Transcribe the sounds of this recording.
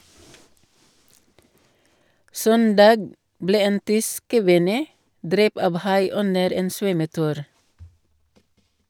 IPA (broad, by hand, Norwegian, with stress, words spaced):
ˈsœndɑːɡ ˈbleː ˈeːn ˈtʏsk kəˈʋɪnə ˈdɾɛp ˈɑʋ ˈhɑɪ ˈʉnəɾ ˈeːn ˈsʋœməˌtʉːɾ